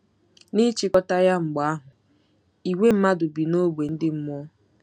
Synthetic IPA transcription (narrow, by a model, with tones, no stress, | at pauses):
ni˦t͡ʃi˨kɔ˦ta˦ja˦ŋ͡m̩˨ɡ͡ba˦ɦʊ˨ | i˨we˦m̩˦ma˦dʊ˨bi˨no˦ɡ͡bʷe˨n̩˦dɪ˦m̩˦m˦ɔ˦